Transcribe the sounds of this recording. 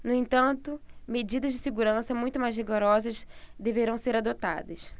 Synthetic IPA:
nʊẽnt̪ɐ̃nt̪ʊmed͡ʒid̪ɐzd͡ʒɪseɡuɾɐ̃sɐmũj̃t̪ʊmajzɦiɡoɾɔzɐzd̪eveɾɐ̃w̃seɾad̪ot̪a̰d̪ɐs

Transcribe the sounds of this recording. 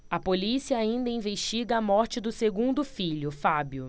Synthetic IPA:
ɐpolisiɐaĩnd̪ɐĩveʃt͡ʃiɡɐːmɔɾt͡ʃɪd̪ʊseɡũnd̪ʊfiʎʊfabjʊ

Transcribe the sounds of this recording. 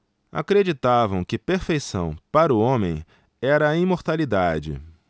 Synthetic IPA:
a̰kɾed͡ʒit̪avɐ̃w̃kɪpeɾfejsɐ̰̃w̃paɾʊõmẽj̃ | ɛɾɐːĩmoɾt̪alid̪ad͡ʒɪ̰

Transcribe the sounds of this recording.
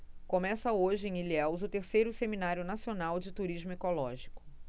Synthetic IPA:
kõmɛsɐoʒɪẽiliɛwzʊt̪eɾsejɾʊseminaɾjʊnasionawd͡ʒɪt̪uɾiʒmʊekolɔʒikʊ̥

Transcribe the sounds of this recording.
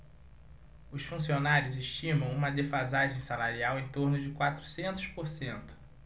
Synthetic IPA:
ʊsfũsionaɾjʊzeʃt͡ʃĩmɐ̃w̃ũmɐd̪efazaʒẽj̃salaɾiawẽj̃t̪oɾnʊd͡ʒɪkwat̪ɾu̥sẽnt̪ʊ̥spoɾsẽnt̪ʊ̥

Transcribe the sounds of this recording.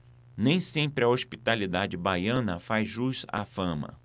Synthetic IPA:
nẽj̃sẽmpɾɪɐoʃpit̪alid̪ad͡ʒɪbajɐ̃nɐfajzʒuʃafɐ̃mɐ̰

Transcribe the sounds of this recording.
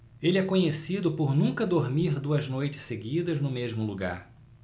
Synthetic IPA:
elɪɛkõɲesid̪ʊpoɾnũkɐd̪oɾmiɾd̪uɐznojt͡ʃɪ̥seɡid̪ɐznʊmeʒmʊluɡa̰ɾ

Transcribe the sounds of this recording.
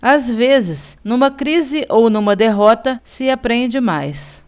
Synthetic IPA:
azvezɪsnũmɐkɾizɪʔownũmɐd̪eɦɔt̪ɐsɪapɾẽnd͡ʒɪmajs

